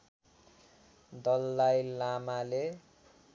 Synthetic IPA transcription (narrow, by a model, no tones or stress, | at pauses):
d̪ʌlːajlamale